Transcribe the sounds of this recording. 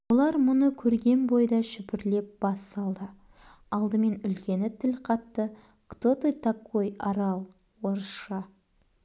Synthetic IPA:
wolˠɑɾmʊnəkʲʰɵɾɡʲe̞nbo̞jd̪ɑʃʏpɪɾle̞p̚b̥ɑst̪ɑlˠd̪ə | ɑlˠd̪əme̞nʏlkʲe̞nɪt̪ʰɪlqʰɑt̪ːə | kt̪ot̪et̪akːojɑɾɑlˠ | woɾʃɑ

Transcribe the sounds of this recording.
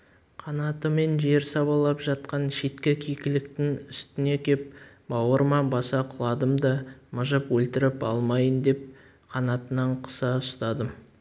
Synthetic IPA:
qʰɑnɑt̪əme̞nʒe̞ɾsɑbɑlˠːɑpʒɑt̪qɑnʃe̞t̪kʲekʲʰijkʲɪlɪkt̪ɪŋʏst̪ɪne̞kʲʰe̞p̚ | bɑwəɾmɑbɑsɑqʰəlˠɑd̪əmd̪ɑməʒəpwɵlt̪ɪɾɪpɑ̰lˠmɑjənd̪e̞p̚ | qʰɑnɑt̪ənɑɴqʰə̥sɑʊst̪ɑd̪əm

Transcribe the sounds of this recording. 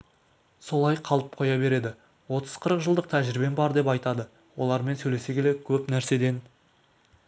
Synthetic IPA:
so̞lˠɑjqʰɑlˠəp̚qʰo̞jɑbe̞ɾe̞d̪ɪ | wo̞t̪ʰəz̥qʰəɾəqʒəlˠd̪əq̚t̪ʰæʒɪɾɪbenbɑɾd̪e̞pɑjt̪ɑd̪ə | wo̞lˠɑɾme̞nsɵjle̞se̞kʲelekʲʰɵpnæɾse̞d̪e̞n

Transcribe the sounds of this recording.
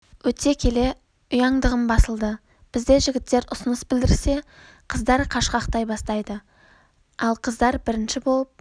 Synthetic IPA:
wɵt̪e̞kʲʰe̞le̞ | ʊjɑɴd̪əʁəmbɑsəlˠd̪ə | b̥ɪzd̪e̞ʒɪɡʲɪt̪ːe̞ɾʊsʊnəsbɪld̪ɪɾse̞ | qʰəzd̪ɑɾqʰɑʃqɑqt̪ɑjbɑst̪ɑjd̪ə | ɑlˠqʰəzd̪ɑɾbɪɾɪnʃɪbo̞lˠəp̚

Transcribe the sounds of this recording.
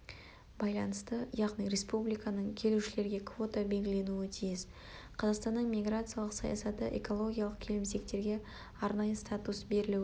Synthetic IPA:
bɑjlˠɑnəst̪əjɑʁnijɾe̞spublijkanəɴkʲʰe̞luʃɪle̞ɾɡʲe̞kʰvo̞t̪abe̞lɡʲɪle̞nuɪt̪ʰijɪz̥ | qʰɑzɑqst̪ɑnːəɴmʲijɡɾat̪sɨjɑlˠəqsɑja̰sɑt̪əʔḛko̞lˠo̞ɡʲijalˠəq̚kʲʰe̞lɪmse̞kt̪e̞ɾɡʲe̞ | ɑɾnɑjəst̪at̪usbe̞ɾɪlu

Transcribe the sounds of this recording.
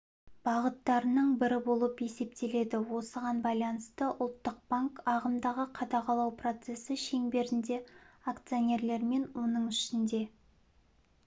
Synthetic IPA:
b̥ɑʁət̪ːɑɾənəɴbɪɾɪbo̞lˠəpe̞se̞p̚t̪ʰe̞le̞d̪ɪwo̞səʁɑnbɑjlˠɑnəst̪əʔʊlˠt̪ːəq̚b̥aŋkɑʁəmd̪ɑʁəqʰɑd̪ɑqɑlˠɑwpro̞t̪se̞sɪʃe̞ŋbe̞ɾɪnd̪e̞akt̪sijo̞nʲe̞ɾle̞ɾme̞nwo̞nəɴʏʃɪnd̪e̞

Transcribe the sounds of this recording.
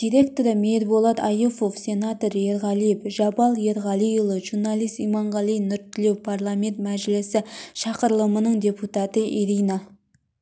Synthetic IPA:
d̪̥ijɾe̞k̚t̪oɾəmeɾbolˠɑt̪ɑjufofse̞nat̪oɾje̞ɾʁɑlijpʒɑbɑlˠje̞ɾʁɑlijulˠəʒuɾnɑlˠijst̪ijmɑɴʁɑlijnʏɾt̪ːɪlewpʰarlˠame̞nt̪mæʒlɪsɪʃɑqəɾlˠəmənəɴd̪ʲe̞put̪ɑt̪əʔiɾijnɑ

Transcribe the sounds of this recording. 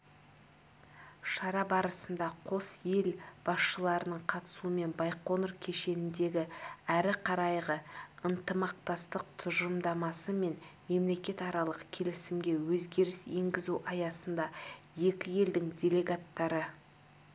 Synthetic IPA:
ʃɑɾɑbɑɾəsənd̪ɑqʰo̞sje̞lb̥ɑsʃəlˠɑɾənəɴqʰɑt̪ə̥suəme̞nbɑjqo̞nəɾkʲʰe̞ʃe̞nɪnd̪e̞ɡʲɪæɾɪqʰɑɾɑjʁəənt̪əmɑq̚t̪ɑst̪əq̚t̪ʰʊʒəmd̪ɑmɑsəme̞nme̞mle̞kʲe̞t̪ɑɾɑlˠəqkʲʰe̞lɪsɪmɡʲe̞wɵzɡʲe̞ɾɪse̞ŋɡʲɪzuʔɑjɑsənd̪ɑje̞kʲɪje̞ld̪ɪŋdʲe̞lʲe̞ɡat̪ːɑɾə

